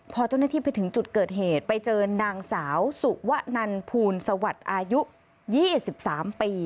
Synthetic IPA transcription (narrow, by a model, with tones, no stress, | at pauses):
pʰɔː˧t͡ɕa˥˩wnaː˥˩t̪ʰiː˥˩pa˧jt̪ʰɯ˩˦ŋt͡ɕu˨˩t̪̚kɤː˨˩t̪̚ɦeː˨˩t̪̚pa˧jt͡ɕɤː˧naː˧ŋsaː˩˦wsu˨˩ʔwa˦˥ʔna˧npʰuː˧nsa˧wa˨˩t̪̚ʔaː˧ju˦˥ʔ | jiː˥˩si˨˩p̚saː˩˦mpiː˧